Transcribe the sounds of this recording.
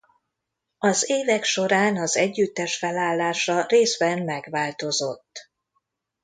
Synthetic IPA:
ɒzeːvɛkʃo̞ɾaːnɒzɛɟːyt̪ːɛʃfɛlaːlːaːʃɒreːzbɛmmɛɡʋaːlt̪o̞zo̞t̪ː

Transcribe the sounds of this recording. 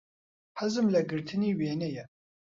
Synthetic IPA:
hɐzɨmlɛɡɨɾt̪ʰɨniːweːnɛjɛ

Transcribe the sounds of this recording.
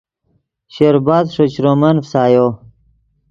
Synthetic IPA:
ɕeɾbaːd̪ʂot͡ɕɾomɐnfsaːjo

